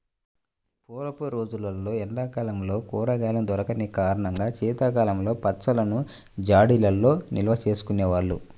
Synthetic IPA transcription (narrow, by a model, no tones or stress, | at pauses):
puːlɐpuɾo̞ːd͡ʒulɐlːo̞ːɛɳɖaːkaːlɐmlo̞ːkuːɾɐɡaːlɐnd̪ɔɾɐkɐnikaːɾɐɳɐŋɡaːt͡ʃiːt̪ɐkaːlɐmlo̞ːpɐsɐlɐnu | d͡ʒaːɽilɐlːo̞ːnilɐʋɐt͡ʃe̞ːsu̥kuneːʋaːɭːṵ